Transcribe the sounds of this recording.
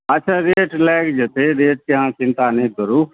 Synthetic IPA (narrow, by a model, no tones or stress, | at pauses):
ɐtːʃʰaɾeːʈlɛːkd͡ʒət̪eɾeːʈ̚keɦãt͡ʃɪ̃nt̪anĩd̪əɾuː